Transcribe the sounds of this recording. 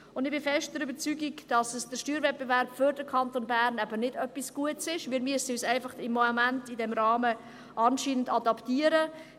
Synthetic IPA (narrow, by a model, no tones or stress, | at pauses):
ʊndɪbɪfɛʃt̚d̥əɾybəɾt͡syɡikd̥ɑsəsd̥əɾʃtyːɾvɛt̚b̥evæɾbføɾdəkʰɑntonbæːɾnæbənɪdœpːisɡ̥uətsɪʃmiːmyəsəysæɪfɑχtɪmːomæntidɛmɾɑːmə | ʔɑnʃiːnəndɑdɑptiːəɾə